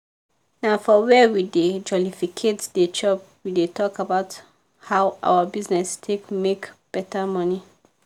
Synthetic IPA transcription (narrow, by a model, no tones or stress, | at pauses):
nafɔwɛwided͡ʒɔlifikʰetded͡ʒɔp | widetʰɔkabaʊt | hawʔa̰wabiznɛstʰekmekb̥ɛtamɔni